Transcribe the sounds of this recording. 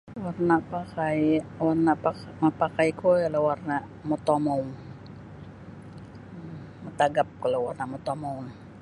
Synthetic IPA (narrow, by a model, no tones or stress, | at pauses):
warnapakajwarnapa | mapakajkoalawarnaʔ | mot̪omown | mət̪aɡap̚kalowarnamot̪omoun